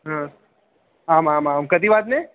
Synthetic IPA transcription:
ɦã | amãmãmkəd̪iʋat̪ne

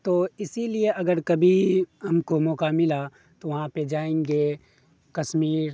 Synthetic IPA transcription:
t̪oːɪsilieʔɐɡəɾkɐbʱiɦɐmkomoːkamɪla | t̪oʋɐɦãped͡ʒaːẽːŋɡe | kɐʃmiːɾ

